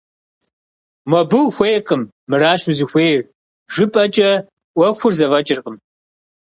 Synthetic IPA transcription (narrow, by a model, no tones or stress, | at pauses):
mɐbɨwxʷejqʼəmːɨɾaːʃuzɨxʷeːjr | ʒɨpʼɐt͡ʃʼɐ | ʔʷɔxʷʊrzɐvɐt͡ʃʼɪrqəm